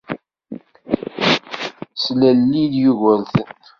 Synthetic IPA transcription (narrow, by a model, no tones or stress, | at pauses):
slælːiðjuʝəlθ